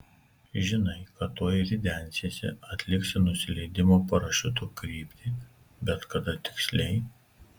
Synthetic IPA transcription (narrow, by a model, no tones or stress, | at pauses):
ʒʲɪnɐɪkɐt̪ːoːjɾʲɪd̪ʲæˑnʲsʲesʲɛ̰ɐt̪ʲlʲɪksʲɪnʊsʲɪlʲɛɪd̪ʲɪmoːpɐɾɐʃʲʊt̪̬ukɾʲiːpʲt̪ʲi | bʲɛt̪kɐd̪ɐt̪ʲɪ̥ksʲlʲɛɪ